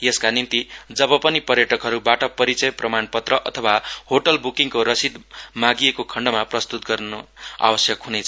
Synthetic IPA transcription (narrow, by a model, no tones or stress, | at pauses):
jeskanint̪id͡zʌbʌpʌnipʌɾjʌʈʌkɦʌɾubaʈʌpʌɾit͡sʌjprʌmanpʌt̪rʌʔʌt̪ʰʌwahoʈʌlbukiŋkoɾʌsid̪maɡijekokʰʌɳɖʌmaprʌst̪ut̪ɡʌrnoa̰wʌsjʌkɦunejt͡sʰʌ